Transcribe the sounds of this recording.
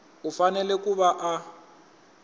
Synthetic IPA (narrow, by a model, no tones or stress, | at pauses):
ufanɛlɛkuβaʔa